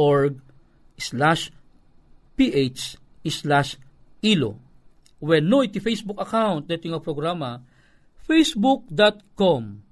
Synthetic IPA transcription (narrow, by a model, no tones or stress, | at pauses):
oɹɡ̚ | slaʃ | piʔet͡ʃ | islaʃ | ilo̰ | wɛnːoit̪ifejsbʊkɐkawnt̪̚ɛt̪ʊŋapɾoɡɾamɐ | fejsbuk̚d̪at̪̚kom